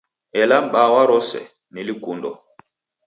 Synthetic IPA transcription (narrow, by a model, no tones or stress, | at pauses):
ɛlam̩ɓawaɾɔsɛ̰ | nilikundɔ